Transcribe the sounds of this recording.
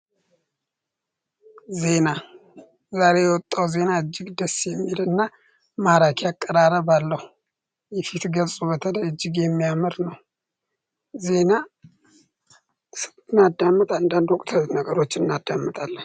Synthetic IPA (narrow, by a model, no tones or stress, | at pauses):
ze̞na | zaɾe̞jɛwɔt̪ʼːawze̞naɨd͡ʒːɪɡd̪əsːjɛmːilɨnːa | maɾakʰakʼːəɾaɾəβalːəhu | jɛfit̪ɡəlsʼubət̪ʰələjɨd͡ʒːɪɡjɛmːijamɨɾnəw | ze̞na | sɨ | ɨnːad̪amːət̪ʼand̪and̪ɔkʼt̪ʰənəɡəɾo̞t͡ʃːnɨnːad̪amːət̪ʼalːən